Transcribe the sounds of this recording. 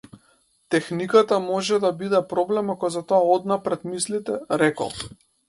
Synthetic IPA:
t̪ɛxnikat̪amɔʒɛd̪abid̪ɛpɾɔblɛmakɔzat̪ɔaɔd̪napɾɛd̪mislit̪ɛɾɛkɔ̰lˠ

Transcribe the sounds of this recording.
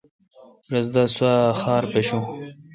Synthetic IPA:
ɾɐzd̪aswaxaːɾpeɕũ

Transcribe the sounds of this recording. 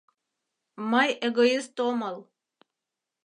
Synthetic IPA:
mɑjeɡoist̪oməlˠ

